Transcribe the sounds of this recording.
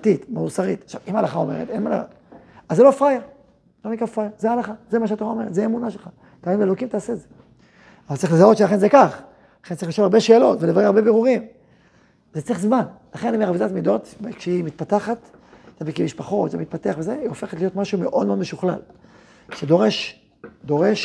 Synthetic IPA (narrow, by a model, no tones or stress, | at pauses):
titmausaʁit̪aʃa̰vimalaχao̞me̞ʁḛt̪enmala̰a̰ | azelofaja | lo̞nikʁafajazealaχazemaʃeat̪o̞ʁao̞me̞ʁet̪zeemunaʃelχa | taimelokimt̪aːseːze | avaltt͡saʁixlezao̞tʃelaχenzekaχ | laχentt͡saʁiliʃoaʁbeʃeːlo̞̰tvelevaʁimaʁbebeʁuʁim | zett͡sʁiχzmanlaχenimeavidat̪mido̞t̪kʃeimit̪̚pataχat̪ | t̪abikemiʃpaχo̞t̪zemit̪̚pat̪eaχvezeiofeχet̪lijo̞t̪maʃume̞ʔo̞d̪meod̪meʃuχla̰l | ʃed̪oʁeʃ | d̪o̞ʁe̞ʃ